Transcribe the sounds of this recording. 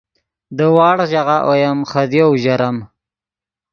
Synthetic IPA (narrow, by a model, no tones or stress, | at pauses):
d̪əwɑːɽʒaɣaʔojamχad̪jowʒaɾam